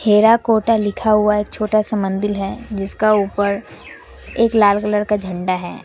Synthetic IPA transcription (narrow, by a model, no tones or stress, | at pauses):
heːɾakoːʈalɪkʰaɦʊaeːk̚t͡ʃʰoːʈasɐ̃mə̃nd̪ɪlɦɛd͡ʒɪskauːpəɾ | eːklaːlkələɾkad͡ʒʱɐ̃ɳɖaɦɛ̰ː